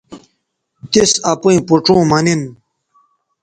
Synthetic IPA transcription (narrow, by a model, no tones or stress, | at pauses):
t̪isɐpuĩpuʈ͡ʂõːmɐnin